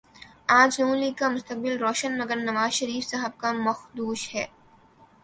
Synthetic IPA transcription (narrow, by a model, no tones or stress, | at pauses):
aːd͡ʒnũːnliːɡkamʊst̪ək̚bɪlɾoːʃənmɐɡəɾnɐʋaːzʃɐɾiːfsɐɦəb̚kamɐxd̪uːʃhɛː